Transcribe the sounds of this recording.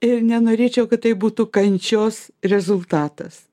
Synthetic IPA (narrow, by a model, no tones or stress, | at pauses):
ɪrnʲɛnoːɾʲeːt͡ʃʲɛʊkɐt̪t̪ɐɪbuːt̪ʊkɐnʲt͡ʃʲoːsrʲɛzʊlˠt̪ɑːt̪ɐs